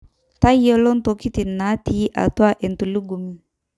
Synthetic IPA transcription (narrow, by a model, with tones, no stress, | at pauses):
ta˦jɔ˦lɔ˦n˦to˨ki˦ti˨na˨˦ti˨˦ʔa̰˨twa˦ʔe˨n˨tu˨li˦ɡu˨mi˨